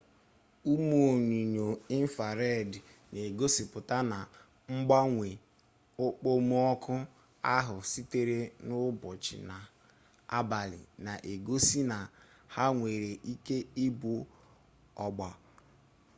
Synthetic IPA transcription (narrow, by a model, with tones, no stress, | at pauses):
u˦mu˦o˨ɲi˨ɲo˨i˦n̩˦fa˨ɾe˦˨dne˨ɡo˦si˨pʊ˨ta˦na˨ | ŋ͡m̩˦ɡ͡ba˦ŋʷe˨ | o˦k͡po˦mu˦ɔ˦kʰʊ˦ | a˦ɦʊ˨si˦te˨ɾe˦nʊ˦bʊ˨t͡ʃɪ̰˨na˨ | a̰˦ba˨lɪ̰˨na˨ʔe˨ɡo˦si˦na˨ | ha˦ŋʷe˨ɾe˨ʔi˦ke˦i˦bu˨ | ɔ̰˨ɡ͡bɔ˨